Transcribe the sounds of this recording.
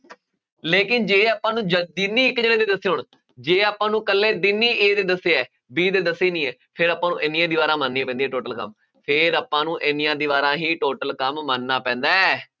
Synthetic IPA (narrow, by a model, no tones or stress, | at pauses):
leːkɪnd͡ʒeːaːpãːnũːd͡ʒəd̪iniːɪkːd͡ʒeːnẽːd̪eːd̪əsːeːɦʊɳ | d͡ʒeːaːpãːnũːkəlːẽːd̪ɪnːiːeːd̪eːd̪əsːeːɛː | biːd̪eːd̪əsːeːnĩːɛːpʰɪɾaːpːãːnũːʔɪnijãːd̪iːbaːɾãːmənːĩãːpɛ̃ːnd̪iɛːʈoːʈəlkə̰m | pʰɪɾaːpːãːnũːʔɪnijãːd̪iːʋaːɾãːɦiːʈoːʈəlkəmːənːaːpɛ̃ːnd̪aːɛː